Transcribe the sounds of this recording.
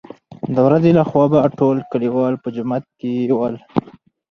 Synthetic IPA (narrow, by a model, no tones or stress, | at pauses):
d̪əwɾazelaxwɑbaʈolkəliwɑlpəd͡ʒʊmat̪̚kewəl